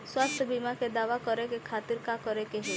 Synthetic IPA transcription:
swast̪ʰəbimaked̪aʋakɔɾekekʰat̪iɾkakɔɾekeɦi

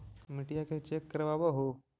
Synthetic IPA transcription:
miʈijaket͡ʃekːəɾʋabəɦo

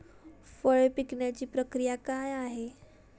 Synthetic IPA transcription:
fəɭpikɳjat͡ɕiːpɾəkɾijakajaɦe

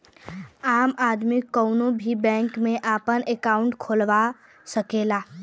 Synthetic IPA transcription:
aːmaːd̪mikəʊnobʱibɛ̃ːŋkmẽʔaːpənekaʊɳʈkʰolʋa | səkela

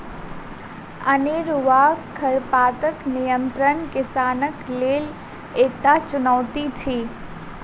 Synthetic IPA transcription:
əneɾʊʋakʰːəɾpaːt̪əknijənt̪ɾənkɪsaːnəkleːl | eːk̚t̪at͡ʃʊnəʋt̪it͡ʃʰiː

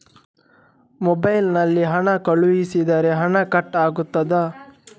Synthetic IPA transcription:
mɔbɐjlnɐlːiɦɐɳɐkɐɭujisid̪ɐɾe̞ɦɐɳɐkɐʈːaːɡut̪ːɐd̪ɐ

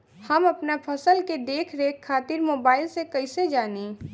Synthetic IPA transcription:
hɐmɐpnapʰəsəlked̪eːkʰɾeːkʰːaːt̪ɪɾmoːbaːɪlsekɐɪsed͡ʒaːneː

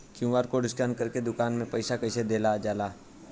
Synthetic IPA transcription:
kjũːʋaːɾkoɖɪsʈənkəɾked̪ʊkaːnmẽpɐɪsakɐɪsed̪eːlad͡ʒaːlaː

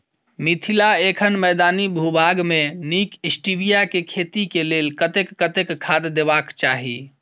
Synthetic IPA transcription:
mit̪ʰilaekʰənmɛjd̪anibʱubʱaɡmenikisʈibijakekʰet̪ikelelkət̪ekːət̪ekkʰːad̪d̪ebakt͡ʃaɦḭ

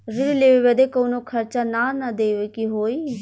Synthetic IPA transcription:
ɾɪlleːʋeːʋɛd̪eːkoːnõːkʰəɾt͡ʃaːnaːnad̪eːʋekiɦoːiː

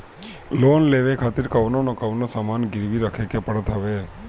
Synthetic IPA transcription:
loːnleːʋekʰaːt̪ɪɾkəʋnonokəʋnosaːmaːnɡɪɾʋiɾəkʰekepəɽət̪ɦəʋe

